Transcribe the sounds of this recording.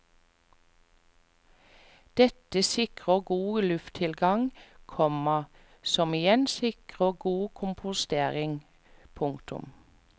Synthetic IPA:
d̪̥ɛt̪əsɪkʁəɡuːlʉft̪ʰɪlɡɑŋkʰɔməʁ | sɔmɪjɛnsɪkʁəɡuːkʰʊmpʰʊst̪eːʁɪŋ | pʰʊŋkt̪ʊ̰m

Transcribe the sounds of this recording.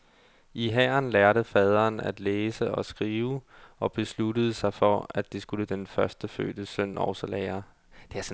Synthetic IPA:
iɦɛɐnlæɐɾ̥əfɛːð̞ˠʁɐːnæd̥leːsəɒ̽sɡ̥ʁiːʊɒ̽b̥e̝slud̥əð̩ˠsɑ̈ɪfɒ̽æd̥ːisɡ̥uləd̥enfɶɐsd̥əfø̰ːd̥əsœn̰ɒ̰ʊsɐlɛːɐ | d̥e̝æɐs

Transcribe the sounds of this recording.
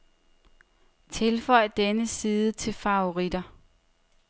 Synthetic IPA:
t͡sʰe̝lfɒ̽ɪ̰d̥enəsiːðˠət͡sʰe̝lfɑ̈oʁid̥ɐ

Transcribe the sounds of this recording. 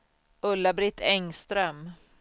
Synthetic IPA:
ɵlːabɾɪt̪ːɛŋst̪ɾœm

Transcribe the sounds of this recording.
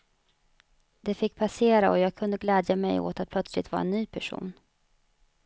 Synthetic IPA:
d̪̥ɛfɪkːpʰaseːɾaɔjɑːɡ̚kʰɵnd̪əɡlɛːd̪jamɛjo̰ːt̪at̪̚pʰlœt̪slɪ̰t̪vɑːɾaɛnːyːpʰæʂṵːn

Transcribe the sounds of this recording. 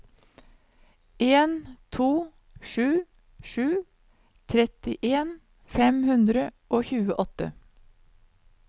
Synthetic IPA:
ʔeːnt̪ʰuː | ʃʉː | ʃʉː | t̪ʰɾɛt̪ɪʔeːn | fɛmhʉnd̪ɾəʔoːçʉːəʔɔt̪ə̰

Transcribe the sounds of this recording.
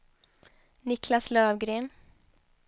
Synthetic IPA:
nɪkʰlaslœːvɡɾeːn

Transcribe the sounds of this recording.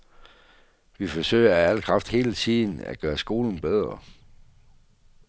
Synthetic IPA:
ʋifɒ̽sø̰ɪɐææl̰kʰʁɑ̈fd̥he̝̰ːlət͡sʰið̰ˠn̩æ̰ɡ̥ɶːɐsɡ̥o̝ːln̩b̥eð̞ˠʁɐ

